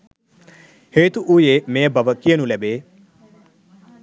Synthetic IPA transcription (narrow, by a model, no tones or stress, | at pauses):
heːt̪uʔujeːmẽːbəʋəkɪenũːlɛːbeː